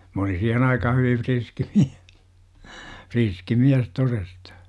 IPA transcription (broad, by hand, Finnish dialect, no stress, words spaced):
m olin̞ siːhen ɑikɑhɑ hyʋiʋ ʋriski miæ friski miæs torestɑ̥